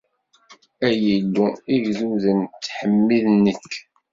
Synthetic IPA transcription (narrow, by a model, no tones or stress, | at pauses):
æjəlːuiʝðuðənt̪ːħəmːiðnːəkː